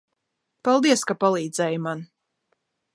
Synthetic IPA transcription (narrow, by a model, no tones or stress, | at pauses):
pɑlˠd̪iɛskapalˠiːd̪zɛjman